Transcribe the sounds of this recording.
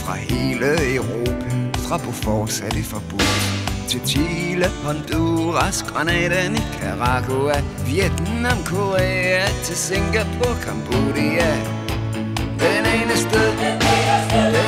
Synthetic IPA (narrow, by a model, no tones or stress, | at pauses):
fʁɑ̈he̝ːləəʊʁo̝ːpʰæfʁɑ̈pʰofɒːd̥sæd̥ifɒb̥uðt͡sʰe̝lt͡sʰiːləhʰɒnd̥uʁɑsɡ̥ʁɑnɛːɾænikʰæʁɑɡoæʋjed̥n̩namkʰoʁeæt͡sʰe̝lse̝ŋɡ̥ɐpʰɔkʰɑmb̥oɾiæ | d̥eneːnəsd̥eðˠ